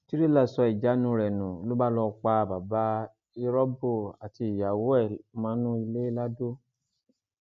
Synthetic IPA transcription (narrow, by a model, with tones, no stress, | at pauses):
ti˦ɾi˦la˦˨sɔ˧i˨d͡ʒa˨˦nũ˦˧ɾɛ˨nũ˨o˨lu˦ba˦˨lɔ˧k͡pa˧˨ba˨ba˨˦ | i˦ɾɔ˦bo˦˨a˨ti˧i˨ja˨wo˨˦ɛ˦˨mãː˨˦nũ˦i˧le˦la˦do˦